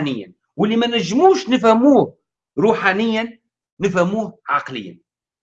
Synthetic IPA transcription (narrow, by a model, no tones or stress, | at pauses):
nɪjːə̰n | wəlːimænæʒːmuːʃnəfhæmuːh | ɾuːħanɪjːənː | əfhæmuːhʕɑqləjːə̰n